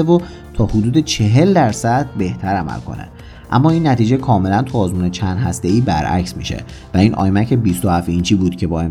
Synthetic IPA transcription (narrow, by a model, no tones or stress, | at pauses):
evo | t̪ʰɒːhod̪uːd̪e̞t͡ʃʰe̞ɦe̞ld̪æɾsæd̪̚be̞ht̪ʰæɾæmæ̰lkʰo̞̰nḛ | ʔæ̰mːɒːiːnːæt̪iːd͡ʒekʰɒːme̞lænt̪ʰuːzmuːnet͡ʃʰænd̪ɦæst̪e̞iːbæɾʔæ̰csmḭːʃḛ | væiːnʔɒ̰ːjmæcʰebist̪ohæfint͡ʃʰiːbuːd̪̥cʰe̞bɒːe̞m